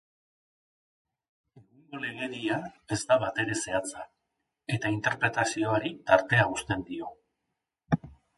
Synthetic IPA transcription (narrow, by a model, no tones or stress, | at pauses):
e̞ɣuŋɡo̞le̞ɣ̞e̞ɾiae̞zt̪aβat̪e̞ɾe̞se̞at͡sa | e̞t̪aint̪e̞ɾpɾe̞t̪asio̞aɾit̪aɾt̪e̞aust̪e̞nd̪io̞